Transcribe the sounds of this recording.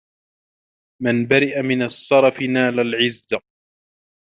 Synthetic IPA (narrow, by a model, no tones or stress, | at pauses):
manbaɾɪʔamɪnasˤːɑɾˤɑfɪnaːlalʕɪzːa